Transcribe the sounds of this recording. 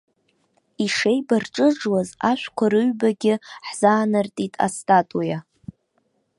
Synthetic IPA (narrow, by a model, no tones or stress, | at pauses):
iʂejbarʈ͡ʂʼɨʐwazaʃʷᶣkʷʰaɾɨɥbaɡʲɪħz̥aːnartʼitʼa̰stʼatʼuja